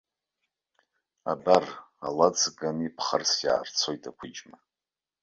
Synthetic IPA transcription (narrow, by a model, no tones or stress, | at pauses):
abara̰lad͡zɡanipʰχarsja̰ːrt͡sʰo̞jtʼʰakʷʰʊd͡ʒma